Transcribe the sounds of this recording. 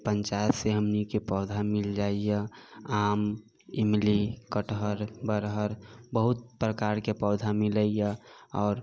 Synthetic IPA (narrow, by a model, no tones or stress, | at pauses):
pənt͡ʃaːseɦəmnikepɔːd̪ʱamɪld͡ʒaijəaːm | ɪmlikəʈɦəɾbəɾɦəɾbəɦʊt̪̚pɾəkaːɾkepɔːd̪ʱamɪləijaɔːɾ